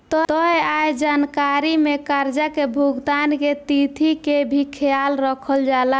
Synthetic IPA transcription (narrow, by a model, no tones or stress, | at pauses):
t̪ɔt̪ɔjajd͡ʒankaɾimekaɾd͡ʒakebʱuɡt̪anket̪it̪ʰikebʱikʰealɾəkʰəld͡ʒala